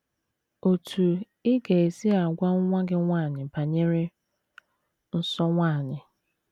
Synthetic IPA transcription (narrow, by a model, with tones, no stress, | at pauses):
o˨tʰu˨ | ɪ˦ɡe˨e˨si˦a˨ɡʷa˦ŋ˦ŋʷa˦ɡɪ˦ŋʷaː˦˨ɲɪ˨pa˨ɲe˦ɾɪ˦ | n̩˦sɔ˦ŋʷaː˦˨ɲɪ˨